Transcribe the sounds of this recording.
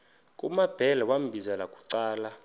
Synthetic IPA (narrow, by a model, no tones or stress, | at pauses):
kʼṵmab̥ʱɛlɛwam̩bʱizalakʼu̥ǀaːla